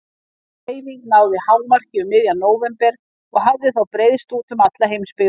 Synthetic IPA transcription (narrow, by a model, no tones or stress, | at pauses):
ejviŋknaːwðɪhawvmar̥cɪʏmːɪðjanoːwvɛmpɛɾ̥ | ɔɣɦavðɪθawpɾejðst̪uːt̪ʏmat̪laɦejmspɪ